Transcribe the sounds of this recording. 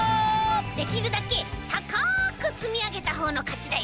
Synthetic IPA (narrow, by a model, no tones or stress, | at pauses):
d̪e̞kʲiɾɯ̟d̪ake̞t̪akakɯ̟t͡sɨmʲiaɡe̞t̪aɦo̞ːno̞kat͡ɕid̪ai